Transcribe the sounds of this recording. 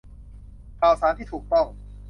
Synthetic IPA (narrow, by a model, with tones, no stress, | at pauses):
kʰaː˨˩wsaː˨˦nt̪ʰiː˥˩t̪ʰuː˨˩k̚t̪ɔ˥˩ŋ